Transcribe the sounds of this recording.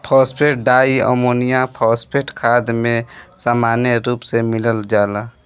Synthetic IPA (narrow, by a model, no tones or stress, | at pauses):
pʰɔːspʰeʈ̚ɖaːiə̰moːnijapʰɔːspʰeːʈkʰaːd̪mẽsaːmaːnjəɾuːpsemɪləld͡ʒaːlaː